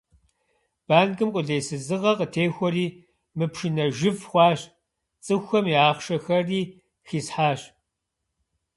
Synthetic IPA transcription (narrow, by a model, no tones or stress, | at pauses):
b̥aːnkʼɨmkʷʼʊɮeːsɨzɨʁɐqətʰeːxʷɔriː | mɨpʃɨnɐʒɨfχʷɑːɕ | t͡sʼɨxʷɐmiaːχʃɐxɐriː | xiːsħaːɕ